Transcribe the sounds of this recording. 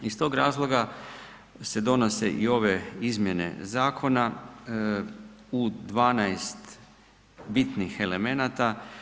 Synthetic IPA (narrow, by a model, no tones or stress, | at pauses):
ist̪o̞ːɡɾaːzlˠo̞ɡa | se̞d̪o̞no̞se̞ʔio̞ʋe̞izmje̞ne̞̰zaːkʰo̞na | ud̪ʋaːnajst̪ | bit̪nixe̞le̞me̞nat̪a